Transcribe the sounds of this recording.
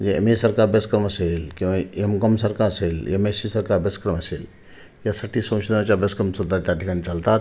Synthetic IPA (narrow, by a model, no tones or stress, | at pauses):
jeḛmesɐɾkaːɾbeskɾəmɐseːlkĩwãemkɐmsɐɾkaɐseːljemesisɐɾkaːɾbeskɾəmɐseːl | jasɐʈʰːisɐ̃ːt͡ʃd̪ãt͡ɕabeskəmsud̪ʱat̪jaʈʰikanit͡ʃɐlt̪at̪